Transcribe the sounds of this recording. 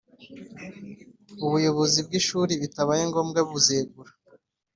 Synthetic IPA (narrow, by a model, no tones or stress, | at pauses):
uβujo̞βo̞zib̚ɡiʃuɾiβitaβajeŋɡo̞ːmɡaβuzeːɡuɾa